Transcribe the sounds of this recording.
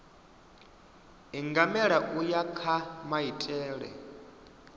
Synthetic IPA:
iŋɡamɛɺaʔujakʰamaitʼɛːɺɛ̰

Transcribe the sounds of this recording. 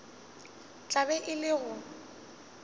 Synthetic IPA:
t͡ɬʼabɛʔɪlɪɣʊ

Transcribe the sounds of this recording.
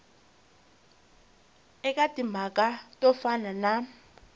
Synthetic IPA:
ɛkʼatʼimakʼatʼɔfanana

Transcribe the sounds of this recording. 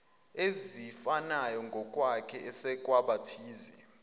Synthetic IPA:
ezifanajɔŋɡʱɔkʼwakʰɛɛsɛkʼwaɓatʰiːzɛ

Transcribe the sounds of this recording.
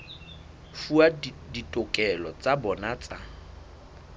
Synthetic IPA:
fuaditʼʊkʼɛlɔt͡sʼabɔnat͡sʼa

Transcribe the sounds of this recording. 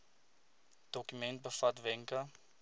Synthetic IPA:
d̥ɔkymɛnt̚bəfɐtvɛŋkɐ

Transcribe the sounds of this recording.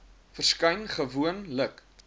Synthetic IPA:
fərskɐjnχəvuənlək

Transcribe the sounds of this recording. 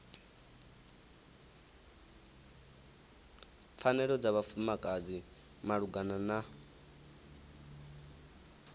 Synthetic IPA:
p̪fʰanɛɺɔd͡zaβafumakʼad͡zi | maɺuɡanana

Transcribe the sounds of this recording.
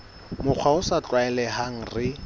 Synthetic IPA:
mʊk͡xʰwaʊsat͡ɬʼwaɛlɛɦaŋ̩rɪ

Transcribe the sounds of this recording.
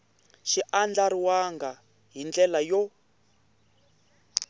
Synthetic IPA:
ʃiʔand͡ɮaɾiwaŋɡa | ɦind͡ɮɛlajɔ

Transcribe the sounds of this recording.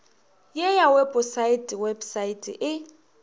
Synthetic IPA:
jejawebʼʊsaitʼɪwebsaitʼɪ̰ʔɪ

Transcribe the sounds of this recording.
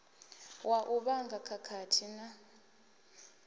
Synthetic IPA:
wʔaʔuɓaŋɡʱakʰakʰatʰina

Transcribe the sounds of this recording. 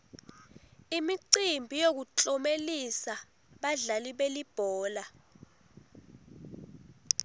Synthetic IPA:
imiǀimbʱijok̬ut͡ɬʼɔmelisa | ɓaɮaliɓelib̥ʱɔːla

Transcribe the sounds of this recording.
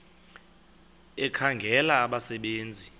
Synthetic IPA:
ɛkʰaŋɡʱɛlaːɓasɛɓeːnd͡zʱi

